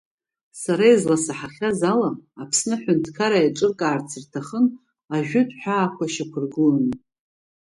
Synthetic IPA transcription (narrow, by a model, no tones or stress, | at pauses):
saɾaizlasaħaχʲazalamapʰsnɨħʷʊntʰkʰaɾajʈ͡ʂʼɨrkʼaːrt͡sʰirtʰaχən | aʒᶣʊtʰʼħʷᶣaːkʷʰaʃakʷʰʊrɡɨln